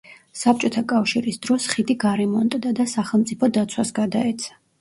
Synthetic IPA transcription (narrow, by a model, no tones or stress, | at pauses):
sap̚t͡ʃʼɔt̪ʰakʼafʃiɾisd̪ɾɔsχid̪iɡaɾɛmɔnt̪ʼd̪ad̪asaχɛlˠmt̪sʼipʰɔd̪at̪sʰwasɡad̪aɛt̪sʰḁ